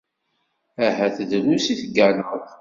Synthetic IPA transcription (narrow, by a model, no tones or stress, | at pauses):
æɦæθəðlusiθɡænəʁ